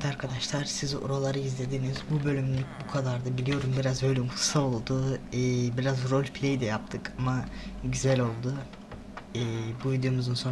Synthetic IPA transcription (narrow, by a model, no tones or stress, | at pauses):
t̪aɾkʰad̪aʃlˠaɾ̥sizo̰ɾolˠaɾɯizlʲe̞d̪iːnizbubø̞lʲymlʲycbukʰad̪aɾd̪abilʲijo̞ɾumbiɾazbø̞jlʲemxɯ̥sao̞lˠd̪uː | biɾazɾo̞lʲpʰlʲejd̪ɛjap̚t̪ʰɯkʰamaɟyzælʲo̞lˠd̪u | ɛːbuvid̪ejo̞muzd̪anso